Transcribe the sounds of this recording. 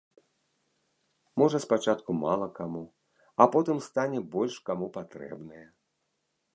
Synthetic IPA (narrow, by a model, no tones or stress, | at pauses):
mɔʐɐspat͡ʂat̪kumalˠɐkamu | ɐpɔt̪ɨmst̪anʲɛbɔlʲʂkamupat̪ɾɛ̰bnɐjɛ